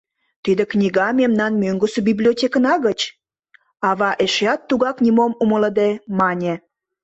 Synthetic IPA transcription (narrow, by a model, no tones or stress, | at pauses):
t̪id̪ĕknʲiɣɑmemnɑnmøŋɡəsebiblʲiotʲekənɑɣət͡ɕ | ɑβɑʔeʃeɑt̪ːuɣɑknʲimomumələd̪emɑnʲe